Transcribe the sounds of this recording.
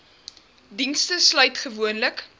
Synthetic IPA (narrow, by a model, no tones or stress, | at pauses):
dinstəslœɥtχəvuənlək